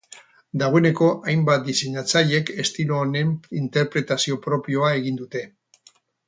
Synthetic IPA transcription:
d̪aɣo̞e̞ne̞ko̞ʔajmbat̪̚d̪ise̞ɲat͡saʎe̞ke̞st̪iloːne̞nint̪e̞ɾpɾe̞t̪asio̞pɾo̞pio̞ae̞ɣind̪ut̪e̞

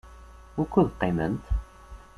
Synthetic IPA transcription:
ʊɾkːuðqːemə̰nt̪

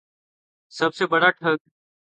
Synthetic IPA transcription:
səbseːbəɽaːʈʰəɡ̪̚

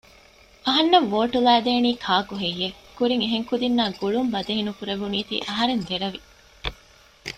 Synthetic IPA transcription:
ɐɦɐnːɐʋʋoːʈulæːd̪eːniːkʰaːkuɦejːekuɾiŋeɦeŋkud̪inːaːɡuɭumbɐd̪ɐɦinukuɾeʋuniːt̪ḭːʔɐɦɐɾend̪eɾɐʋi

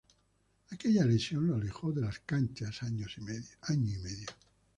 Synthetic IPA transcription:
akeʎalesjonlolexod̪elaskant͡ʃasaɲosaɲːiimɛðjo

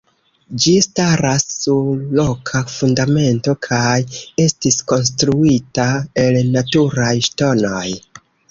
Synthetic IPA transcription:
d͡ʒistaɾasːuɾlo̞kʰafundame̞nto̞kʰaje̞stisko̞ns̬tɾuitae̞lnatuɾajʃto̞noj

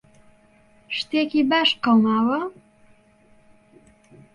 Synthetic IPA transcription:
ʃt̪ekibaʃqəwmaːwɐ

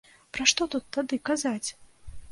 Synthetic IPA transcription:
pɾaʂt̪ɔt̪ut̪ːad̪ɨkazat͡sʲ

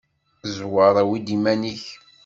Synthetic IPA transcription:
zwəɾˤæwid̪imæniç

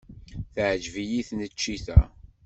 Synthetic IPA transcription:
θəʕʒvijiθnət͡ʃːiθæ̰

